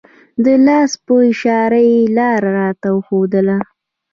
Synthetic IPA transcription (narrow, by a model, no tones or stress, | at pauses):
d̪əlɑspəɪʃɑɾajelɑɾaɾɑt̪awəxod̪əla